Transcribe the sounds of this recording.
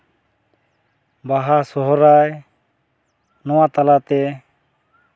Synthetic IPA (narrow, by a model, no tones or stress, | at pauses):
baɦasɔɦɔɾaj | nɔwat̪alat̪ɛ